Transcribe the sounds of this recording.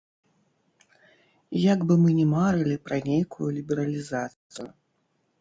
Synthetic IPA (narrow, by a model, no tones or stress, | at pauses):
jaɡbɨmɨnʲɛmaɾɨlʲipɾɐnʲejkʰujulʲibʲɛɾɐlʲizat̪sɨju